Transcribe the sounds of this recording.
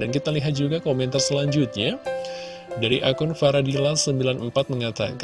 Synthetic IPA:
dankit̪aliɦat̪̚d͡ʒuɡakomɛnt̪arsəlaɲd͡ʒuʊt̪̚ɲa | daɾiʔakʊnfaɾadilasəmbilanəmpat̪̚məŋat̪a̰k

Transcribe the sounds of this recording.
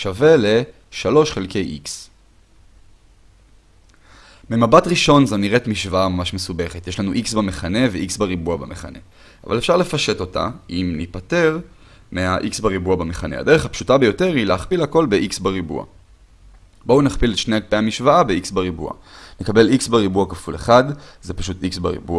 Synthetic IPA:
ʃave̞le̞ | ʃalo̞ʃχelke̞jʔiks | memabatʁiʃo̞nzoniʁetmiʃvaamamaʃmesube̞χet̪jeʃlanuʔiksbameχane̞veʔiksbaʁibuabameχa̰ne̞̰ | a̰vale̞fʃaʁle̞faʃe̞to̞ta̰ʔimnipate̞ʁ | meaʔiksbaʁibuabameχane̞̰ha̰d̪e̞ʁe̞χhapʃutabe̞jo̞te̞ʁileaχpilhako̞lbe̞ʔiksbaʁibṵa̰ | bounaχpiletʃneaɡpeamiʃvaabeiksbaʁibṵa̰nekabe̞liksbeʁibuakafule̞̰χadzepḁʃutiksbaʁḭbua

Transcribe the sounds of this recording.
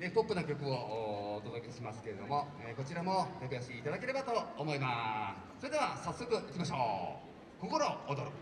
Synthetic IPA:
epokːɯ̟nakʲo̞kɯ̟oːt̪o̞d̪o̞ke̞ɕimasɨ̥ke̞ɾe̞d̪o̞mo̞ | eko̞t͡ɕiɾamo̞t̪okɯjaɕikʲiːt̪ad̪ake̞ɾe̞bat̪o̞ːmo̞imas | so̞ɾe̞d̪e̞βasasːo̞kɯ̟ʔikʲimaɕo̰ː | koko̞ɾo̞ːd̪oɾok

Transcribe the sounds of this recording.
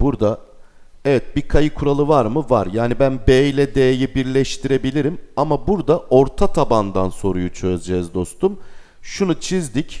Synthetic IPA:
buɾd̪a | ɛvɛt̪̚bikʰajɯkʰuɾalˠɯvaɾmɯvaɾjaːnibænbejlʲɛd̪ejejibiɾlʲɛʃt̪ʰiɾe̞bilʲiɾimamabuɾd̪ao̞ɾt̪ʰat̪ʰaband̪anso̞ɾujut͡ʃʰø̞zd͡ʒɛːzd̪o̞st̪ʰum | ʃunut͡ʃʰizd̪ic

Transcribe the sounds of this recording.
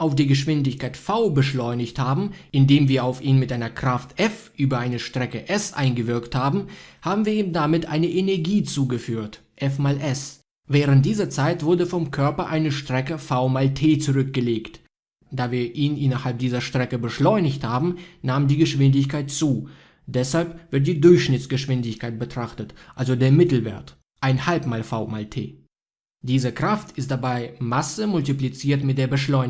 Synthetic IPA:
ʔaʊfd̥iːɡəʃv̥ɪndɪçkʰaɪtfaʊbəʃlɔʏnɪçthaːbm̩ʔɪndeːmviːɐaʊfʔiːnmɪtʔaɪnɐkʁ̥aftʔɛfʔyːbɐaɪnəʃtʁ̥ɛkəʔɛsʔa̰ɪnɡəvɪɐkthaːbm̩haːbm̩viːɐiːmdamɪtʔa̰ɪnəʔenɛɐɡiːt͡suːɡəfyːɐtʔɛfmaːlʔɛs | vɛːʁ̞ənt̚d̥iːzɐt͡saɪtv̥ʊɐdəfɔmkʰœɐpɐʔaɪnəʃtʁ̥ɛkəfaʊmaːltʰeːt͡suʁʏk̚ɡ̥əleːkt | d̥aːviːɐʔiːnʔɪnɐhalp̚d̥iːzɐʃtʁ̥ɛkəbəʃlɔʏnɪçthaːbm̩naːmndiːɡəʃv̥ɪndɪçkʰaɪtt͡suː | d̥ɛshalpv̥ɪɐt̬̚d̥iːdʊɐçʃnɪtt͡sɡ̥əʃv̥ɪndɪçkʰaɪt̚b̥ətʁ̥aχtətʔalzodeːɐmɪtl̩vḛːɐt | ʔaɪnhalpmaːlfaʊma̰ːltʰḛː | d̥iːzəkʁ̥aftʰɪstd̥abaɪmasəmʊltiplit͡siːɐtmɪt̚d̥eːɐbəʃlɔʏn

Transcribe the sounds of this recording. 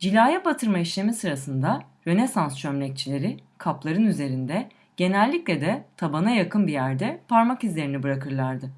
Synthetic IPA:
d͡ʒilʲaːjabat̪ʰɯɾmaiʃlʲe̞misɯɾasɯnd̪a | ɾø̞nesanst͡ʃʰømlʲɛc̚t͡ʃʰilʲe̞ɾɪkʰaplˠaɾɯnyze̞ɾind̪ɛ | ɟ̥e̞nɛlʲːiclʲɛd̪ɛt̪ʰabanajakʰɯnbijæɾd̪ɛpʰaɾmakizlʲe̞ɾinibɯɾakʰɯɾlˠaɾd̪ɯ

